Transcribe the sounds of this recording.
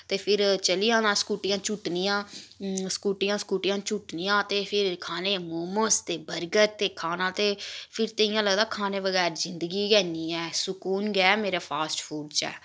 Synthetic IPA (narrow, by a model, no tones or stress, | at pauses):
t̪eːpʰɪɾt͡ʃəlijãːnãːskuːʈɪjãːt͡ʃʊʈnijãːskuːʈɪjãːskuːʈɪjãːt͡ʃʊʈnijãːt̪eːpʰɪɾkʰaːneːmoːməst̪eːbəɾɡəɾt̪eːkʰaːnãːt̪eːpʰɪɾt̪əɪ̃jãːləɡd̪aːkʰaːnẽːʋəɡɛːɾzɪnd̪ɡiːɡɛːniːɛːsʊkuːnɡɛːmeːɾaːpʰaːsʈpʰuːɖt͡ʃɛ̰ː